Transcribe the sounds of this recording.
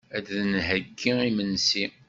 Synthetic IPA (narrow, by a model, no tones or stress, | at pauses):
æd̪ðnɦəɡːiimənsi